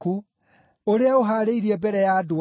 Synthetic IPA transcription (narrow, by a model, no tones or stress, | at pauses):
ku | oɾeaoɦaːɾeiɾiɛbɛɾɛjado